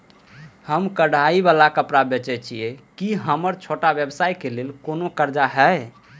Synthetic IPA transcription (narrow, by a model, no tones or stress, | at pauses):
həmkəɽ̤ʱaibalakəpɾabet͡ʃɛt͡ʃʰiɛkiɦəməɾt͡ʃʰoʈabjebsajkelelkonokəɾd͡ʒaɦɛj